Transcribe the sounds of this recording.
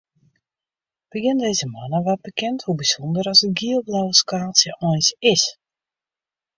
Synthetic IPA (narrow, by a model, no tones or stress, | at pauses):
b̥əɡɪndejzəmanəʋɔt̚bəkɛnthubisɔndəɾɔsəɡiəlˠblawəskaːsjəʔɔjnsɪs